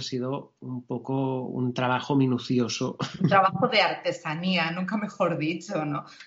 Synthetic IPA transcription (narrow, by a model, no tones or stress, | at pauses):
siðo | umpokoṵnt̪ɾaβ̞axomĩnuθjo̞sout̪ɾaβaxoðeaɾt̪e̞sanianũŋkame̞xo̞ɾðit͡ʃono